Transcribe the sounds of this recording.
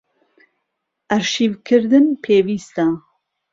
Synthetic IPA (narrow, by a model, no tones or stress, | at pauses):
ʔɐɾʃiːvkʰɨɾd̪ɨnpʰeːviːst̪a